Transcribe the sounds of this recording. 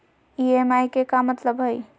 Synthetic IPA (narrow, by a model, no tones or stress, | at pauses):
iemajkekamət̪ləbɦəj